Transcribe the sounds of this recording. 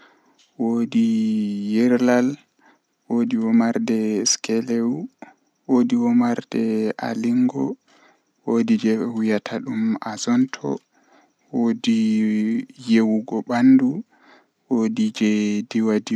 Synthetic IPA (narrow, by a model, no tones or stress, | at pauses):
wodijɛɾlal | wodiwɔmaɾdɛskɛlewu | wodiwɔmaɾdɛa̰liŋɡɔ̰ | wodid͡ʒɛwujatʰaɗumazɔntʰɔ̰ | wodi | jewuɡɔɓandu | wodid͡ʒɛdiwadi